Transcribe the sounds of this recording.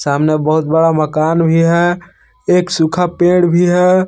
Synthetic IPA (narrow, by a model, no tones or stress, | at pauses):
saːmnebəɦʊt̪̚bəɽaməkaːnbʱiɦɛ | eːksukʰapẽːɽbʱiɦɛ